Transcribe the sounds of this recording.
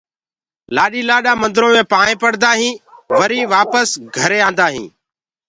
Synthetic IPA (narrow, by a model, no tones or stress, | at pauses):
laːɗiːlaːɗaːmənd̪ɾõːmẽːpãːɳẽːpəɽd̪aːɦĩːʋəɾĩːʋaːpəsɡʱəɾeːãːnd̪aːɦḭ̃ː